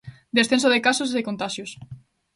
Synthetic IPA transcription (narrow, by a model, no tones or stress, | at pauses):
d̪esθensoðekasosiðekont̪aʃjus